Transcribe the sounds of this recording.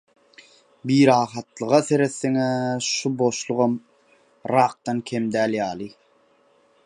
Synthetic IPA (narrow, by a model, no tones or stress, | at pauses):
biːɾɑːχɑt̪lˠɯʁɑθe̞ɾeθːeŋæʃubo̞ʃlˠuʁɑm | ɾɑːq̚t̪ɑnkʲʰemd̪æːljɑːlˠɯ